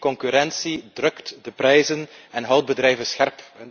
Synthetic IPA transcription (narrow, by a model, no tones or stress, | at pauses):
kɔŋkyɾɛnsidrɵktdəpɾɛjzənɛnɦɑwd̚bədrɛjvənsxɛrp